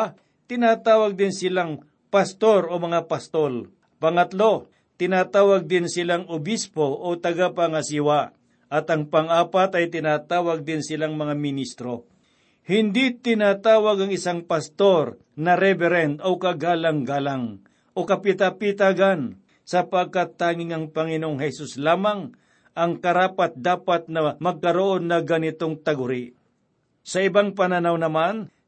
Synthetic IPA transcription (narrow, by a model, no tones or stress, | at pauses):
t̪ɪnaːt̪aːwɐɡ̚d̪ɪnsɪlaŋ | pɐst̪o̞ɾomɐŋapɐst̪ol | pɐŋɐt̪lo̞ | t̪ɪnaːt̪aːwɐɡ̚d̪ɪnsɪlaŋobispo̞ʔot̪ɐɡapaŋɐsɪwa | ʔɐt̪ɐŋpɐŋaːpat̪ɐjt̪ɪnaːt̪aːwɐɡ̚d̪ɪnsɪlaŋmɐŋamɪnist̪ɾo̞ | hɪnd̪it̪ɪnat̪aːwɐɡɐŋɪsaŋpɐst̪o̞ɾ | nɐɾɛbɛɾɛnd̪okɐɡaːlɐŋɡaːlaŋ | ʔokɐpɪt̪apɪt̪aɡan | sɐpɐɡ̚kat̪ːaːŋɪŋɐŋpɐŋɪnoŋhɛsuslaːmaŋ | ʔɐŋkɐɾaːpat̪̚d̪aːpat̪̚nɐmɐɡ̚kɐɾoʔo̞nːɐɡɐnɪt̪oŋt̪ɐɡʊɾi | sɐɪbaŋpɐnanawnɐman